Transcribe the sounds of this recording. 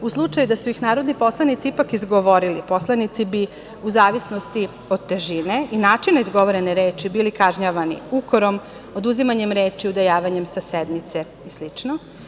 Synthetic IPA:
uslˠut͡ʂajud̪asuixnaːɾo̞d̪nipo̞slˠanit̪siipakizɡoʋoɾilipo̞slˠanit̪sibi | uzaːʋisno̞st̪i | o̞d̪̚t̪ːeʒine̞ʔinaːt͡ʃinaizɡo̞ʋoɾe̞neɾeːt͡ʃibiːlikaʒɲaʋanḭukoɾo̞m | o̞d̪uzimaɲe̞mɾe̞ːt͡ʃiud̪ajaːʋaɲe̞msased̪mit̪se | islit͡ʂno

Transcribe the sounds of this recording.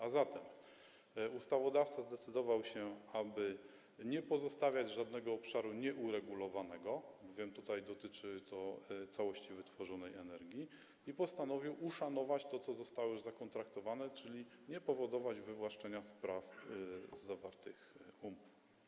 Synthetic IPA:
azat̪ɛm | ust̪avɔd̪aft̪sazd̪ɛt̪sɘd̪ɔvawɕɛabɘ | ɲɛpɔzɔst̪avʲjad͡ʑʐad̪nɛɡɔːpʂaɾuɲɛʔuɾɛɡulɔvanɛɡɔbɔvʲjɛmt̪ut̪ajd̪ɔt̪ɘt͡ʂɘt̪ɔt̪sawɔɕt͡ɕivɘt̪fɔʐɔnɛjɛnɛɾɡʲji | ipɔst̪anɔvʲiwuʂanɔvat͡ɕt̪ɔt̪sɔzɔst̪awɔjzakɔnt̪ɾakt̪ɔvanɛt͡ʂɘlʲiɲɛpɔvɔd̪ɔvad͡ʑvɘvwaʂt͡ʂɛɲaspɾaf | zavaɾt̪ɘxumuf

